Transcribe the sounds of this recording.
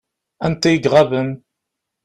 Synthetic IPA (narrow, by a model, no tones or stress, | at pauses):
ænt̪æjəɡʁɑvən